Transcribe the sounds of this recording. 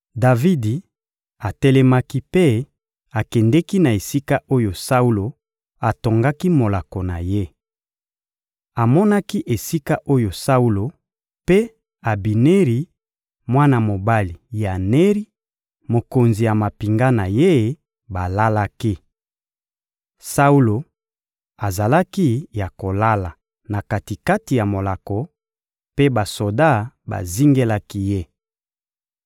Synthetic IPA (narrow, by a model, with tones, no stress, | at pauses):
da˨vi˦di˨ | a˨tɛ˦lɛ˦ma˦ki˦pe˦ | a˨kɛ˨ndɛ˦ki˦na˨e˨si˦ka˦ʔo˦jo˨sa˦u˦lo˨ | a˨to˨ŋɡa˦ki˦mo˨la˨ko˨na̰˨je˦ | a˨mɔ˦na˦ki˦ʔe˨si˦ka˦ʔo˦jo˨sa˦u˦lo˨ | pe˦ | a˨bi˨ne˦ʁi˨ | mwa˦na˨mo˨ba˦li˨ja˨ne˦ʁi˦ | mo˨ko˨nzi˨ja˨ma˨pi˨ŋɡa˦na˨je˦ | ba˨la˦la˦ki˦ | sa˦u˦lo˨ | a˨za˨la˦ki˦ja˨ko˨la˦la˨ | na˨ka˨ti˨ka˦ti˨ja˨mo˨la˨kɔ˨ | pe˦ba˨so˨da˦˨ba̰˨zi˦ŋɡe˦la˦ki˦je˦